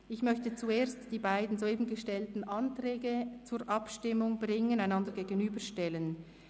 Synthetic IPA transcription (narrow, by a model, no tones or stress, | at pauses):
ɪçmœçtət͡sueːɐstd̥iːbaɪdn̩zoeːbn̩ɡəʃtɛltn̩ʔɑntʁɛːɡət͡suːɹʔɑpʃtɪmʊŋbʁɪŋənaɪnɑndəɾɡeːɡənyːbəʃtɛlən